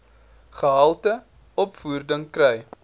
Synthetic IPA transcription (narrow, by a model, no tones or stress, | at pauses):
χəɦɐlˠtə | ɔpfuːrdəŋkrɛj